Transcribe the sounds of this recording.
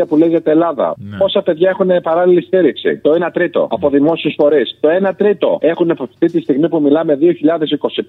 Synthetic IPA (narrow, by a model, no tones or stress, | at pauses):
ɐpuleiʝɐt̪elɐðɐ̰po̞sɐpe̞ðʝɐe̞xunepɐɾɐlilist̪iɾiksḭt̪o̞enɐt̪ɾit̪o̞̰ɐpo̞ðimo̞siesfo̞ɾist̪o̞e̞nɐt̪ɾit̪o̞̰e̞xunipofθit̪ist̪iɣmipumilɐme̞ðio̞çiʎɐðe̞siko̞si